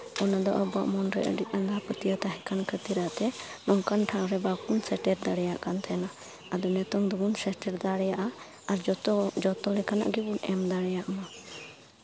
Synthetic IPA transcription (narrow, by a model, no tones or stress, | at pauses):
ɔnad̪ɔʔɔbaʔmɔnɾɛ̰ʔə̰ɖit̪̚and̪apət̪ijət̪aɦɛkankʰət̪iɾat̪ɛnɔŋkanʈʰawɾɛbakunsɛʈɛɾd̪aɽɛjaʔkant̪ʰɛna | ad̪ɔnɛt̪ɔŋd̪ɔbunsɛʈɛɾd̪aɽɛjaʔa | aɾd͡ʒɔt̪ɔlɛkana̰ʔɡɛbunɛmd̪aɽɛjaʔma